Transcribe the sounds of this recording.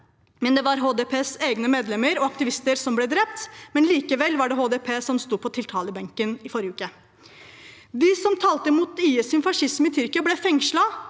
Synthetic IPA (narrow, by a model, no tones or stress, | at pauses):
mɛnd̪ɛʋɑɾɦoːd̪ɛpʰeːseːɡnəmeːd̪lɛməɾɔɑkt̪ɪʋɪst̪əɾsɔmblɛd̪ɾɛp̚t̪mɛnliːkəʋɛlʋɑɖɛɦoːd̪ɛpʰeːsɔmst̪uːd̪̚pʰɔt̪ʰɪlt̪ʰɑːləbɛŋkənɪfɔɾjəʉːkə | d̪ɪsɔmt̪ʰɑːlt̪əmuːt̪iːəsʏnfɑʂɪsməɪt̪ʰʏɾkɪɑblɛfɛŋʂlɑ